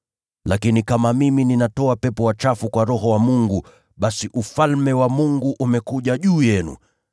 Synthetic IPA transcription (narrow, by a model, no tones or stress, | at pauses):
lakinikamamimininatɔapɛpɔwat͡ʃafukwaɾɔɦɔwamuŋɡu | ɓasiʔufalmɛwamuŋɡuʔumɛkuʄaʄuːjɛnṵ